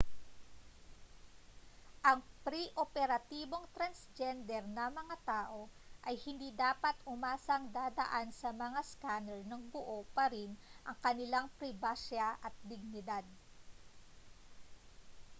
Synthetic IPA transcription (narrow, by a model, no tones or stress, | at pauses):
ʔɐŋpɾiʔopɛɾɐt̪iːbo̞ŋt̪ɾɐnsd͡ʒɛnd̪ɛɾnɐmɐŋat̪aːʔo̞ʔɐjhɪnd̪iːd̪aːpɐt̪hʊmaːsɐŋd̪aːd̪ɐ̰ʔansɐmɐŋaskanɛlnɐŋbʊʔopɐɾinʔɐŋkɐnɪlaŋpɾɪbaʃaʔɐt̪̚d̪ɪɡ̚nɪd̪ad̪̚